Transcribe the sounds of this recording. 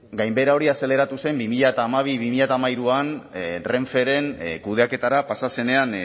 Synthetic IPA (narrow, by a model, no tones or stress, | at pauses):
ɡajmbe̞ɾao̞ɾiase̞le̞ɾat̪use̞mbimiʎat̪aːmaβ̞iβimiʎat̪amaiɾuanre̞ɱfe̞ɾe̞nkuð̞eake̞t̪aɾapasase̞ne̞an